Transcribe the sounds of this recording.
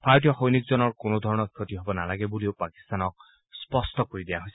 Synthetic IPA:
pʰaɹt̬ijɔxojnik̚zɔnɔɹkonodʱɔɹɔnɔkʰotiɦobɔnalaɡɛbuliopaki̥st̪anɔk̚ | spɔstɔkoɹidijaɦojsɛ

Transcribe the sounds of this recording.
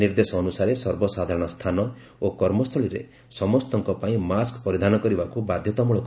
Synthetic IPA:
iɾd̪esɔːnusaɾesɔɾbɔsad̪ʱaɾɔɽ̃ɔst̪ʰanɔ | okɔɾmɔst̪ʰɔɭiɾḛ | sɔmɔst̪ɔŋkɔpaĩmaskpɔɾid̪ʱanɔkɔɾibakubad̪ʱjɔt̪ɔmuɭɔk

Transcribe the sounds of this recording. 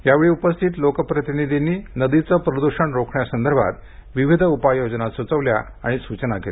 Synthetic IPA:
jaʋeɭiupəst̪ʰit̪lokəpɾət̪inid̪ʱiniːnəd̪it͡səpɾəd̪uɕəɳɾokʰɳjasənd̪əɾbʱa̰t̪ | ʋiʋid̪ʱəupajod͡ʑnat̪sut͡səʋlja | aɽ̃isut͡ɕnakel

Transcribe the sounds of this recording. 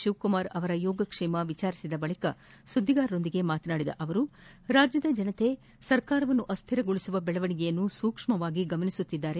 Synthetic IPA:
ʃiʋkumaːɾɐʋɐɾɐjɔːɡɐkʂɛːmɐʋit͡ʃaːɾisid̪ɐbɐɭikɐ | sud̪ʱːiɡaːɾɾo̞nd̪iɡe̞maːt̪ɐnaːɽid̪ɐ̰ʔɐʋɐɾu | ɾaːd͡ʒjɐd̪ɐd͡ʒɐnɐt̪e̞ | sɐɾkaːɾɐʋɐnːuʔɐst̪ʰiɾɐɡoɭisuʋɐbɛɭɐʋɐɳiɡɛjɐnːusuːkʂmɐʋaːɡiɡɐmɐnisut̪ːid̪ːaːɾe̞

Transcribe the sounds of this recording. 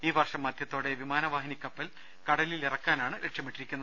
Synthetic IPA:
iːʋɐrʂɐmːaːd̪ʱjɐt̪ːoːɽe̞ʋimaːnɐʋaːɦɐnikʲːɐpːɐl | kɐɽɐlilirɐkːaːnaːɳɨɾʔeʈʂɐpːeʈːiɾikʲːunːɐ

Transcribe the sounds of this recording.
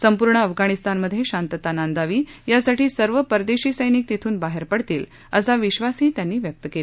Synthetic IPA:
səmpuɾɳəːfɡaɽ̃ist̪anməd̪ʱːjeɕant̪ət̪anand̪aʋiːjasaʈʰiːsəɾʋəpəɾd̪eɕiːsəjnik̚t̪it̪ʰuːnbaɦeɾpəɽt̪iːl | əsaʋiɕʋasɦiːt̪janːiːʋjək̚t̪əkelee

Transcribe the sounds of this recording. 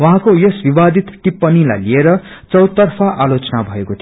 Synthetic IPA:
waɦãkojʌsbibad̪ʱit̪ʈipːʌnila̰jlieɾʌ | t͡sʌwt̪ːʌrpʰaʔalot͡sʌnabʱʌekot̪ʰio

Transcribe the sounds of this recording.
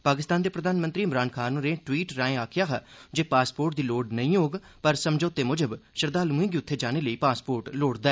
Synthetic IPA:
paːkɪst̪aːnd̪eːpɾəd̪ʱaːnmənt̪ɾiːmɾaːnkʰaːnũːɾẽːʈwiːʈɾãːẽːaːkʰɪjaːɦa̰ːd͡ʒeːpaːspoːɾʈd̪iːloːɖnəĩːoːɡ | pəɾsəmd͡ʒoːt̪eːmʊd͡ʒəbʃəɾd̪aːlũːĩːɡiːʊt̪ʰːeːd͡ʒaːneːləiːpaːspoːɾʈloːɽd̪aːɛː

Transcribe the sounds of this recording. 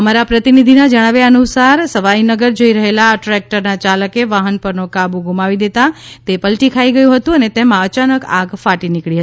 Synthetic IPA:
əmaɾapɾət̪inid̪ʱinad͡ʒəɽ̃aʋeənusaɾsəʋainəɡəɾd͡ʒoiɾəɦelaʈɾɛk̚ʈəɾnat͡ʃaləkeʋaɦənpəɾnokabũɡumaʋid̪et̪at̪epəlʈikʰaiɡəjũɦət̪ũənet̪emãət͡ʃanəkaɡfaʈinikɭiɦət̪i

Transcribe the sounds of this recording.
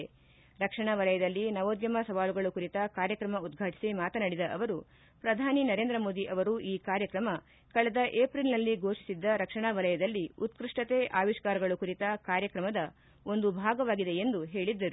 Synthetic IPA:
ɾɐkʂɐɳaʋɐlɐjɐd̪ɐlːinɐʋoːd̪jɐmɐsɐʋaːluɡɐɭukuɾit̪ɐkaːɾjɐkɾɐmɐud̪ɡʱaːʈi̥simaːt̪ɐnɐɽid̪ɐʔɐʋɐɾu | pɾɐd̪ʱaːninɐɾe̞ːnd̪ɾɐmo̞ːd̪iʔɐʋɐɾuʔiːkaːɾjɐkɾɐmɐ | kɐɭɐd̪ɐʔeːpɾilnɐlːiɡʱo̞ːʂi̥sid̪ːɐɾɐkʂɐɳaʋɐlɐjɐd̪ɐlːiut̪kɾiʂʈɐt̪eʔaːʋiʃkaːɾɐɡɐɭukuɾit̪ɐkaːɾjɐkɾɐmɐd̪ɐ | o̞nd̪ubʱaːɡɐʋaːɡid̪e̞end̪uɦe̞ːɭid̪ːɐɾu

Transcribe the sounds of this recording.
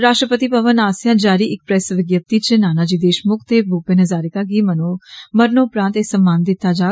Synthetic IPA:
ɾaːʃʈɾəpət̪ipəʋənaːsjãːd͡ʒaːɾiːʔɪk̚pɾɛːsʋɪɡjəp̚t̪it͡ʃenaːnaːd͡ʒiːd̪eːʃmʊkʰt̪eːboːpẽnəzaːɾɪkaːɡiːmənoməɾnoːʊpɾãːnt̪esəmːaːnd̪ɪt̪ːaːd͡ʒaː

